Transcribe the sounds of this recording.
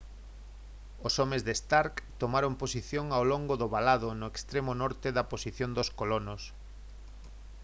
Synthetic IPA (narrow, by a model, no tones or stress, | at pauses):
osomezðest̪aɾkt̪omaɾomposiθjoŋawloŋɡoðoβalaðʊnʊekst̪ɾemonɔɾt̪eðɐposiθjond̪oskolonos